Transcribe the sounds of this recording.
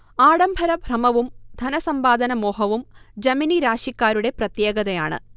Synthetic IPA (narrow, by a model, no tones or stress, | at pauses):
aːɽɐmbʱɐɾɐbʱrɐmɐʋumd̪ʱɐnɐsɐmbaːd̪ɐnɐmoːɦɐʋumd͡ʑɐminiɾaːʂikːaːɾuɽe̞prɐt̪jeːɡɐðɐja̰ːɳɨ̰